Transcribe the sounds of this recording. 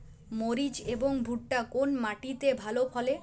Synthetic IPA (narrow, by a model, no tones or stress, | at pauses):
moɾid͡ʑeboŋbʱuʈʈakonmaʈit̪ebʱalopʰɔle